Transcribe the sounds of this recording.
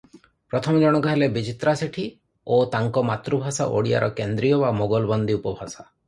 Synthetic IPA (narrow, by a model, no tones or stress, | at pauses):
pɾɔt̪ʰɔmɔd͡ʒɔɽ̃ɔkɔɦelebid͡ʒit̪ɾaseʈʰi | ot̪aŋkɔmat̪ɾubʱasa̰ʔo̰ɽia̰ɾʔɔkend̪ɾijɔbamoɡɔlbɔnd̪iupɔbʱasa